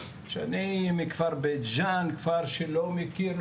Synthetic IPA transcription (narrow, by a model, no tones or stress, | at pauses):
ʃa̰nimikv̥aʁbet̪d͡ʒankv̥aʁʃelomekiɾl